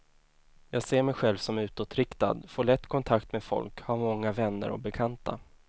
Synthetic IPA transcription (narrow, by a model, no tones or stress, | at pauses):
jɑːɡseːɾmɛjɧɛlvsɔmʉ̟ːt̪ot̪ɾɪkt̪a̰d̪foːɭɛt̪ːkʰɔnt̪ʰakt̪mefɔ̰lkhaɾmɔŋːavɛnːə̰ɾɔ̰bɛkʰant̪a̰